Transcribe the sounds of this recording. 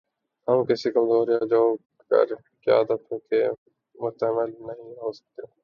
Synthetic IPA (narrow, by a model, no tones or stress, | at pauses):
həmkɪsiːkəmzoːɾijaːd͡ʒoː | kə̰ɾ | kja̰ːd̪əpʰõːkeː | mʊst̪əməlnəɦĩːɦoːsə̥k̚d̪eː